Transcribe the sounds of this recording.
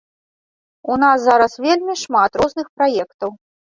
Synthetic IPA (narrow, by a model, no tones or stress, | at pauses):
unaszaɾɐsvʲelʲmʲiʂmat̪ɾɔznɨxpɾajɛkt̪ɐw